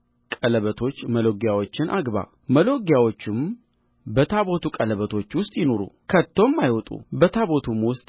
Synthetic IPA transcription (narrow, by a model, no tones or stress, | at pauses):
kʼələβət̪ʰo̞t͡ʃːməlo̞ɡjawot͡ʃːɪnʔaɡβa̰ | məlo̞ɡjawot͡ʃːɪm | bət̪ʰaβo̞t̪ʰukʼələβət̪ʰo̞t͡ʃːwʊst̪ʼjɪno̞ɾṵkʰət̪ʰːo̞mːajwɔt̪ʼṵbət̪ʰaβo̞t̪ʰumwʊst̪ʼ